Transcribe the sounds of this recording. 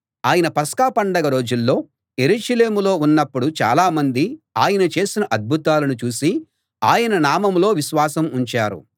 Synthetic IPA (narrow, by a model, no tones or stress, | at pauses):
aːjɐnɐpɐskaːpɐɳɖɐɡɐɾo̞ːd͡ʒulːo̞ː | je̞ɾuːʃɐle̞ːmulo̞ːunːɐpːuɽut͡ʃa̰ːlaːmɐnd̪iaːjɐnɐt͡ʃe̞ːsinɐʔɐd̪̚bʱut̪aːlɐnut͡ʃuːsi | aːjɐnɐnaːmɐmlo̞ːʋiʃʋaːsɐmuɲt͡ʃaːɾṵ